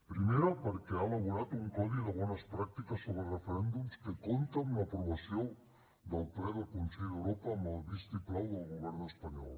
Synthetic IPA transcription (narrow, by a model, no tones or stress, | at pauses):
pɾimeɾopeɾkealaɣuɾat̪ouŋkaðiðaβwɔnaspɾak̚t̪ikasːoβɾerefeɾend̪umskekont̪aunapɾoβasjoŋ | d̪alpɾeðelkonseʎewɾopamalbist̪iplawðalɣoβeɾnoespaɲɔ̰l